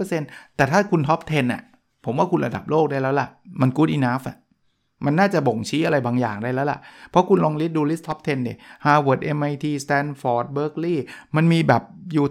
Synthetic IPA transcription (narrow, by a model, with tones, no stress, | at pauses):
ɤ˧se˧nt̪ɛː˨˩t̪ʰaː˥˩kʰu˧nt̪ʰɔ˦˥p̚t̪ʰe˧nʔa̰˨˩ | pʰo˩˦mwaː˥˩ku˧nɾa˧da˨˩p̚loː˥˩k̚daː˥˩jlɛː˦˥wla˨˩ʔma˧nkuː˦˥t̪ʔiː˧naː˦˥fʔa̰˨˩ | ma˧nːaː˥˩t͡ɕa˨˩bo˨˩ŋt͡ɕʰiː˦˥ʔa˧ɾa˧jbaː˧ŋjaː˨˩ŋdaː˥˩jlɛː˦˥wla̰˨˩ʔpʰɾɔ˦˥kʰu˧nlɔː˧ŋli˦˥t̪̚duː˧li˦˥t̪ʰːɔ˦˥p̚t̪ʰe˧nːi˧˩haː˧˩wo˨˩t̪̚ʔe˧mʔa˧jt̪ʰiː˧st̪ɛː˧nfɔː˨˩t̪̚bɤː˦˥k̚liː˥˩ma˧nmiː˧bɛː˨˩p̚juː˨˩